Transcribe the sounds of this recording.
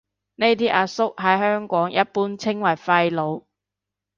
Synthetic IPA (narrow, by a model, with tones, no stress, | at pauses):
ne˥jt̪iː˥ʔɐ˧sʊ˥k̚ɦɐ˨˥jɦœː˥ŋkɔː˨˥ŋjɐ˦˥t̚puː˥nt͡sʰɪ˥ŋwɐ˨˩jfɐ˧jlo˨˧w